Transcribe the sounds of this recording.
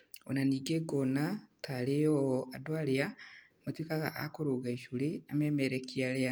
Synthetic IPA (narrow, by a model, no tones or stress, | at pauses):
o̰naniɡeɡonatʰalijoadwalija | mutwikaɣa̰ʔa̰kuɾuɡaiʃuliamemeɾekialea